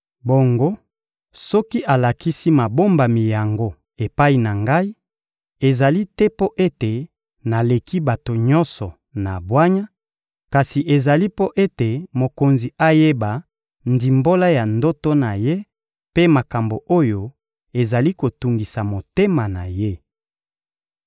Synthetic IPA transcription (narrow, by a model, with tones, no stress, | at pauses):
bo˨ŋɡo˦ | sɔ˦ki˦ʔa˨la˨ki˦si˦ma˨bo˦mba˨mi˨ja˨ŋɡo˦ | e˨pa˦i˨na˨ŋɡa˦i˦ | e˨za˨li˦tɛ˦po˦ʔe˦te˨ | na˨le˨ki˦ba˨to˨ɲɔ˦nsɔ˨ | na̰˨bwa˦ɲa˦ | ka˨si˨ʔe˨za˨li˦po˦ʔe˦te˨mo˨ko˨nzi˨ʔa˦je˦ba˨ | ndi˨mbo˦la˦ja˨ndo˦to˦na˨je˦ | pe˦ma˨ka˨mbo˨ʔo˦jo˦ | e˨za˨li˦ko˨tu˨ŋɡi˨sa˨mo˨te˦ma˨na˨je˦